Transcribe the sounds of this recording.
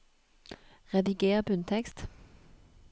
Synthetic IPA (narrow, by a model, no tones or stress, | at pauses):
ʁɛd̪ɪɡeːʁbʉnt̪ʰɛkst̪